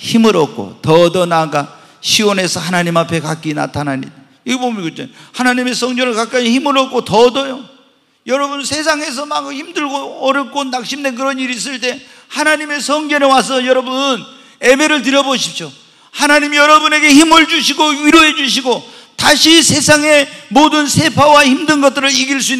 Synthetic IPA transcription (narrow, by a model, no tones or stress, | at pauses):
çimɯɾʌk̚k͈o̰tʌdʌnaɡa | ɕʰiwone̞sʰʌhanaɲimapʰe̞kak͈ina̰tʰanaɲḭda | iɡebomnkɯt͡ɕ͈ohanaɲime̞sʰʌŋd͡ʑʌnɯɭkak͈aiçimɯɾʌk̚k͈otʌdʌjo | jʌɾʌbunsʰe̞s̬ʰaŋe̞s̬ʰʌmaɡçimdɯɭɡoʌɾjʌp̚k͈onak̚ɕ͈imde̞nk̬ɯɾʌniɾis̬͈ɯɭt̬͈e̞ | hanaɲime̞sʰʌŋd͡ʑʌnewas̬ʰʌjʌɾʌbun | ebe̞ɾɯɭt̬ɯɾjʌboɕʰi̥p̚ɕ͈o | hanaɲimijʌɾʌbune̞ɡe̞çimɯɭd͡ʑuɕʰiɡoɥiɾoɦe̞d͡ʑuɕ̬ʰiɡo | taɕʰisʰe̞sʰaŋe̞modɯnsʰe̞pʰawaçimdɯnɡʌt͈ɯɾɯɭiɡiɭs͈uinː